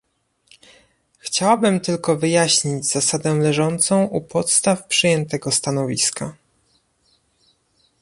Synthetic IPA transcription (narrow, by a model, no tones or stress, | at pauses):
xt͡ɕawabɘmt̪ɘlkɔvɘjaɕɲid͡ʑzasad̪ɛlɛʐɔnt̪sɔ̃w̃ʔupʰɔt̪st̪afpʂɘjɛnt̪ɛɡɔst̪anɔvʲiska